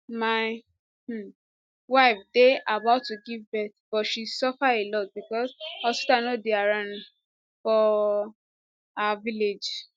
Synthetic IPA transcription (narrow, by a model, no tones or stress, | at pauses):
maɪ | waɪfdeʔabaʊtːuɡivbɛtb̥ɔtʃisɔfaelɔt̚bikɔsɔsu̥tanodeaɾãn | fɔ | aviled͡ʒ